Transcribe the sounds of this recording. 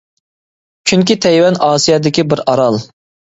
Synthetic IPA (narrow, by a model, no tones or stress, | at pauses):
t͡ʃʰyŋkʲit̪ʰɛjwɛnɑːsijɑd̪ɪkʲibɪɾɑɾɑlˠ